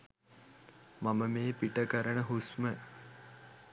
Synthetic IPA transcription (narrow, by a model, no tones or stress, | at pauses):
maməmeːpiʈəkəɾəɳəɦusmə